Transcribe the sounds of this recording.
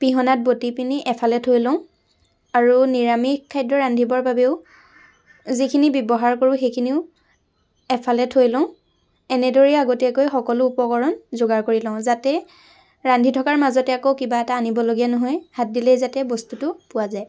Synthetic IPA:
piɦɔnat̚botipiniʔɛpʰalɛtʰɦojlɔ̃ʊ̃ | aɹuniɹamikʰːajdɹɔɹandʱibɔɹbabeʊ | zikʰinibjɔbɔɦaɹkoɹʊ̃xejkʰiniʊ | ɛpʰalɛtʰɦojlɔ̃ʊ̃ | ɛnɛdɔɹɛaɡotiakojxɔkɔlʊupɔkɔɹɔnzoɡaɹkoɹilɔ̃ʊ̃zatɛ | ɹandʱitʰɔkaɹmazɔtɛakokibaɛtaːnibɔloɡijanɔɦɔjhat̚dilɛjzatɛbɔstutʊpʊwazaj

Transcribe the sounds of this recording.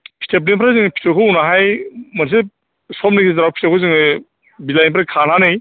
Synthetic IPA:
pʰi̥tʰep̬̚nipʰɾazɯŋpʰi̥tʰekʰounaɦajmɐns̬e | sɔmnekizaɾawpʰi̥tʰekʰozɯŋɯ | bilajnpʰɾakʰananɯj

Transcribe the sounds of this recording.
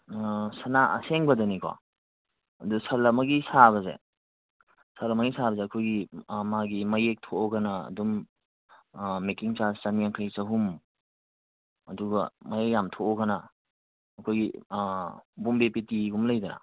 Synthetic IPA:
sɐnaʔɐ̰seŋbɐdɐnikwa̰ | ɐdusɐlɐmɐɡisaβɐzḛ | sɐlɐmɐɡisabɐzeɐkʰojɡimaɡimɐjek̚tʰoʔɔɡana̰ːdum | mekiŋt͡ʃast͡ʃanijaŋkʰajsɐɦum | ɐduɡɐmajekjamtʰoɔɡanaː | kʰojɡi | bumbepetiɡumlɐjdɐnɐ̰

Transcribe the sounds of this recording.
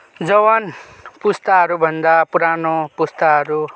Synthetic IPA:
d͡zʌwʌn | pust̪aɦʌɾubʱʌnd̪apuɾanopust̪aɦʌɾu

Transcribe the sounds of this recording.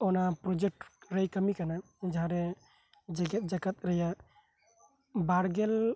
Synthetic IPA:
onapɾod͡ʒek̚ʈɾəjkəmikana | d͡ʒɦãɾe | d͡ʒɡt̪d͡ʒəkət̪ɾəja | baɽɡel

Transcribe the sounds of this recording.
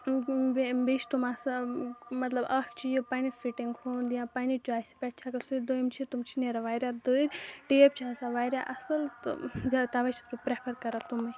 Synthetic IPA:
bbit͡ʃʰt̪umasɐmɐt̪lɐbɐkʰt͡ʃʰijopaːnifʰiʈiŋɡhond̪ijãpaːnit͡ʃaːjspʲɛʈ̚t͡ʃʰakɐsud̪ojmt͡ʃʰit̪umt͡ʃʰineɾaʋaːjɾjad̪oiɾʈeːp̚t͡ʃʰaːsaʋaːjɾʲjaʔɐsɐlt̪zat̪aʋɐt͡ʃʰɐ̥t̪̚kipɾeːpʰɐɾkɐɾat̪umi

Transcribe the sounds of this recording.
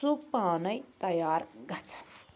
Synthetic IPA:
upaːnəjt̪ɐjaːɾɡʌt͡sʰɐ̥n

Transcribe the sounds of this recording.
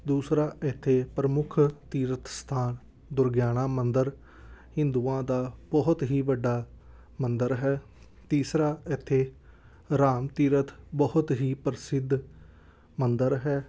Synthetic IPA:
d̪uːsɾaːɪt̪ʰːeːpɾəmʊkʰt̪iːɾət̪st̪ʰaːn | d̪ʊɾɡjaːɽaːmənd̪əɾ | hɪ̃nd̪uːãːd̪aːbɔɦʊt̪ɦiːʋəɖːaː | mənd̪əɾɦɛː | t̪iːsɾaːɪt̪ʰːeː | ɾaːmt̪iːɾət̪bɔhʊt̪ɦiːpəɾsɪd̪ʱ | mənd̪əɾɦɛː

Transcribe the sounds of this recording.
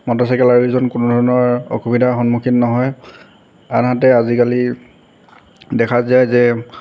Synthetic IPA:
mɔtɔs̬ɛkɛlaɹizɔnkʊnʊdʱɔɹɔnɔɹɔ̰xubidʱaxɔnmukʰinnɔɦɔj | a̰nɦatɛazikali | dɛkʰazajzɛ

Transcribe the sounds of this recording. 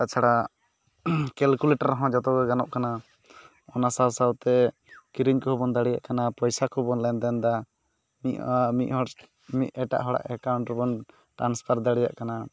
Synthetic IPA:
kat͡ʃʰaɽa | kɛlkulɛʈaɾːɔɦɔ̃d͡ʒɔt̪ɔɡɛɡanɔʔkana | ɔnasawsawt̪ɛ | kiɾiɲkɔhɔbɔnd̪aɽija̰ʔkanapɔjsakɔbɔnlɛnd̪ɛnd̪a | mimit̪̚ɔ | mit̪̚ɛʈa̰ʔɦɔɽa̰ʔɛkawɳʈɾɔbɔn | ʈɾanspʰaɾd̪aɽɛja̰ʔkana

